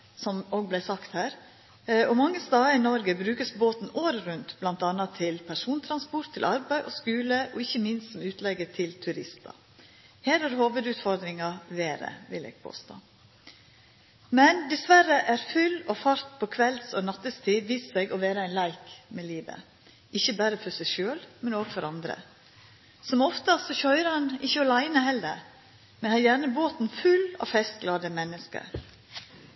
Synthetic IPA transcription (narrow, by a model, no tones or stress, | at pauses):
sɔmoːɡblæɪsɑkt̪hæːɾ | ɔmɑŋːəst̪ɑːəɪnɔɾɡəbɾʉːkəsboːt̪n̩oːɾɾʉnt̪b̥lɑnt̪ɑnɑt̪ʰɪlpʰæʂuːnt̪ʰɾɑnspɔɾt̪ʰːɪlʔɑɾbæɪʔɔskʉːləʔɔɪçːəmɪnst̪sɔmʉːt̪ʰlɛɡːət̪ʰɪlt̪ʰʉɾɪst̪ɑ̰ | heːɾhɑɾhoːʋəd̪ʉːt̪fɔɾd̪ɾɪŋɑʋeːɾə̰ʋɪlḛːɡ̥̚pʰo̰ːst̪o̰ː | mɛnd̪ɪsʋæɾəʔæɾfʉlɔfɑɾt̪pʰɔkʰʋɛlsɔnɑt̪ːəst̪ʰiːd̪ʋiːssɛɡɔʋeːɾəæɪnlæɪkmɛliːʋə̰ | ʔɪçəbæɾəfɔɾsæʃøːlmɛnoːɡfɔɾɑnd̪ɾə̰ | sɔmɔft̪əsɔçœʏɾɑnɪçəɔlæɪnəhɛlːə̰ɾ | mɛnhɑɾjæɳəboːt̪n̩fʉlɑ̰ːfɛst̪̚ɡlɑːd̪əmɛnːəskə̰ɾ